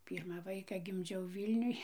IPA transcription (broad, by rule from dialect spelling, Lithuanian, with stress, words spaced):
ˈpʲiːrmɑː ˈʋɐɪkɐ ɡʲɪmʲˈd͡ʒʲɛʊ ˈʋʲiːlʲnʲʊj